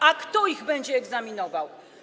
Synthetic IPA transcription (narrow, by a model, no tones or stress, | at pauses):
akt̪ɔiɣbɛɲd͡ʑɛːɡzamʲinɔvaw